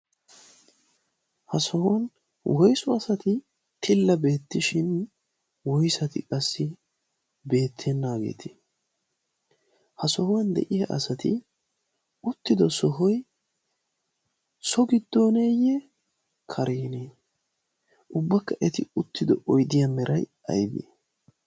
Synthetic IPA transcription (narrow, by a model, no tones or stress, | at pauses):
hɐsɔhwɐn | wʔɔjsʊɐsɐt̪ɪ | t̪ʰɪlːɐbe̞ːt̪ːɪʃɪn | wɔjsɐt̪ɪ̰kʼɐsːɪ | be̞ːt̪ʰːɛnːaːɡḛːt̪ʰɪ̥ | hɐsɔhwɐnd̪ɛ̰ʔɪjɐʔɐ̰sɐt̪ɪ | ʊt̪ːɪd̪ɔsɔɦɔj | sɔɡɪd̪ːo̞ːneːjɛ | kʰɐɾeːneː | ʔʊbːɐkːɐʔɛt̪ɪʊt̪ːɪd̪ɔ̰ʔɔjd̪ɪjɐmɛɾʔɐj | ɐ̰jbɪ̰